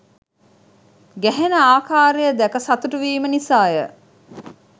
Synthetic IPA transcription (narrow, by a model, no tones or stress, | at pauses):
ɡæɦenəaːkaːɾejəd̪ækəsɐt̪uʈuʋiːmənisaːjə